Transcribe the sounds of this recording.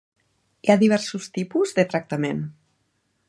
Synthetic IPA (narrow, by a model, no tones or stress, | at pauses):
iaðiβ̞ɛɾsust̪ipuzðət̪ɾək̚t̪əmen